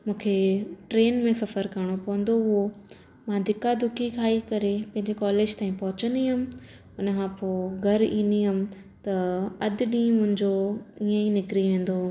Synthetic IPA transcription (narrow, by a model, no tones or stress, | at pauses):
mũːkʰeʈɾeːnmẽsɐfəɾkɐɾɽ̃opɐʋə̃n̆d̪oʊɦo | mãːd̪ɪkad̪ʊkʰikʰaːikɐɾepɐ̃ɦɪ̃ɲd͡ʑekɔːleːd͡ʑt̪aːĩpɐɦʊt͡ɕəniɦʊm | ʊnkʰãːpoːɡʱɐɾĩːnd̪iɦʊm̆ | t̪ɐɐd̪̆ɗĩːmʊ̃ɦɪ̃ɲd͡ʑoiːẽinɪkɾiʋẽːn̆d̪oː